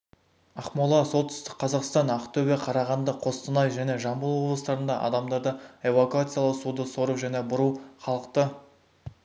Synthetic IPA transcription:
ɑqmolˠɑso̞lˠt̪ɪ̥st̪ɪ̥k̚ʲqʰɑzɑqst̪ɑnɑqt̪ʰɵbeqʰɑɾɑʁɑnd̪əqʰo̞st̪ənɑjʒæne̞ʒɑmbəlˠwo̞blˠəst̪ɑɾənd̪ɑ̰ʔɑ̰d̪ɑmd̪ɑɾd̪əevokuat̪sɨjalˠəwsud̪əso̞ɾuʒæne̞bʊɾuχɑlˠəqt̪ə

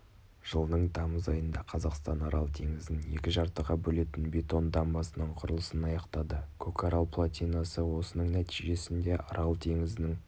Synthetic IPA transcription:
ʒ̥əlˠnəɴd̪ʰɑməzɑjənd̪ɑqʰɑzɑqst̪ɑnɑɾɑlˠt̪ʰe̞ŋɪzɪnje̞kʲɪʒɑɾt̪əʁɑbɵle̞t̪ɪnbʲe̞t̪o̞nd̪ɑmbɑsənəɴqʰʊɾəlˠəsənɑjɑqt̪ɑd̪əkʰokʰɑɾɑlˠpʰlˠat̪ʲijnɑsəwo̞sənəɴnæt̪iʒe̞sɪnd̪e̞ʔɑ̰ɾɑlˠt̪ʰe̞ŋɪznɪŋ

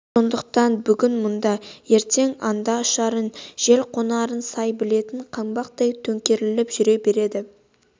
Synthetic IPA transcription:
so̞nd̪əq̚t̪ɑnbʏɡʲɪnmʊnd̪ɑje̞ɾt̪e̞ŋɑnd̪ɑʊʃɑɾənʒ̥e̞lqʰo̞nɑɾənsɑjbɪle̞t̪ɪɴqʰɑmbɑqt̪ɑjt̪ʰɵŋkʲe̞ɾɪlɪpʒʏɾe̞be̞ɾe̞d̪ɪ

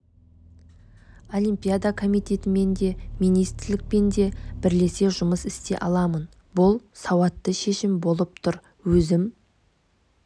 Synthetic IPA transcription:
o̞limpʲijad̪akʰo̞mijt̪e̞t̪ɪme̞nd̪e̞mijnijst̪ɾɪlɪk̚pe̞nd̪e̞bɪɾle̞se̞ʒʊməsɪst̪e̞̰ʔɑlˠɑmən | bʊlˠsɑwɑt̪ːəʃe̞ʃɪmbo̞lˠəp̚t̪ʰʊɾ | wɵzɪm

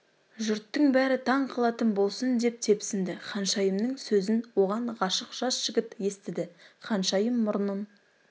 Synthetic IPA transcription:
ʒʏɾt̪ːəŋbæɾɪt̪ʰɑɴqʰɑlˠɑt̪ənbo̞lˠsənd̪e̞p̚t̪ʰe̞psɪnd̪ɪχɑnʃɑjəmnəŋsɵzɪnwo̞ʁɑɴʁɑʃəqʒ̥ɑsʒ̥ɪɡʲɪp̪je̞st̪ɪd̪ɪχɑnʃɑjəmːʊɾnən

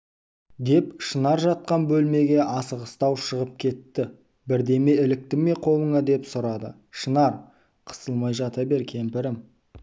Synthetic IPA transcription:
d̪e̞pʃənɑɾʒɑt̪̚qɑnbɵlme̞ɡʲe̞ʔɑsəʁəst̪ɑwʃəʁəp̚kʲʰe̞t̪ːɪ | bɪɾd̪e̞me̞ɪlɪk̚t̪ɪme̞qʰo̞lˠəɴɑd̪e̞psʊɾɑd̪ə̰ | ʃənɑɾ | qʰə̥səlˠmɑjʒɑt̪ɑbe̞ɾkʲʰe̞mpɪɾɪm

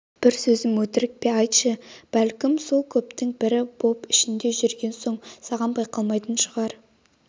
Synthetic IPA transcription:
b̥ɪɾsɵzɪmwɵt̪ɪɾɪk̚pe̞ɑjt̪ʃəb̥ælkʲɪmso̞lˠkʲʰɵp̚t̪ɪŋbɪɾɪbo̞pɪʃɪnd̪e̞ʒʏɾɡʲe̞nso̞ɴsɑʁɑnbɑjqɑlˠmɑjt̪ənʃəʁɑɾ

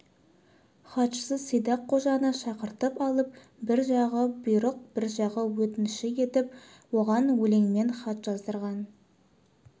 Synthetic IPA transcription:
χɑt̪ʃə̥səsəjd̪ɑqʰːo̞ʒɑnəʃɑqəɾt̪əpɑlˠəp̚ | bɪɾʒɑʁəbʊjɾəq̚bɪɾʒɑʁəwɵt̪ɪnʃɪje̞t̪ɪp | woʁɑnwɵle̞ŋme̞nχɑt̪ʒ̥ɑzd̪əɾʁɑn

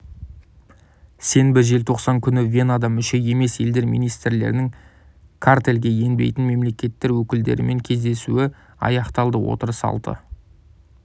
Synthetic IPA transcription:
se̞nbɪʒe̞lt̪ʰo̞qsɑŋkʲʰʏnɪvʲe̞nad̪ɑmʏʃe̞je̞me̞se̞ld̪e̞ɾmijnijst̪ɾle̞̰ɾnɪŋ | kʰart̪e̞lɡʲe̞je̞nbe̞̰jt̪ɪnme̞mle̞kʲe̞t̪ːɪɾwɵkʲɪld̪ḛɾɪme̞ŋkʲʰe̞zd̪e̞suɪ | ɑ̰jɑqt̪ɑlˠd̪əwo̞̰t̪əɾəsɑ̰lˠd̪ə̰

